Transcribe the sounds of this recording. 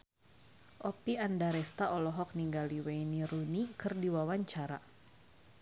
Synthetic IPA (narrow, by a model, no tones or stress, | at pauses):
ʔɔpiandaɾɛst̪aʔɔlɔɦɔk̚niŋɡaliwejniɾunikɨrdiwawaɲt͡ʃaɾa̰